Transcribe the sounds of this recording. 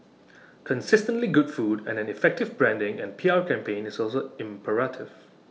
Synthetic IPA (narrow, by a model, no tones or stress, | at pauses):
kʰə̃nsɪstə̃ntliɡʊdfuːdɛ̰̃nɛ̃nifɛk̚tɪvbɹɛ̃ndɪ̃ŋɛ̃npʰiaɹkʰɛ̃mpẽnɪsɔlsoɪ̃mpʰəɹatʰɪv̥